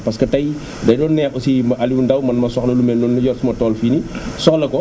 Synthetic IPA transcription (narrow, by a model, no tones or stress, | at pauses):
pɐskɐtɐj | dɐjdɔːnːɛːʔɔsimɐʔɐliundɐwmɐnmɐsɔxlɐlumɛndɔnːɐjɔtsumɐtɔːlfiːnisɔxlɐkɔ